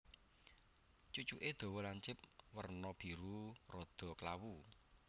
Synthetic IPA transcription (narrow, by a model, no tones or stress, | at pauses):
t͡ʃut͡ʃuʔed̪̥o̤wɔlaɲt͡ʃɪp̚wərnɔb̥i̤ɾurɔd̪̥ɔ̤klawu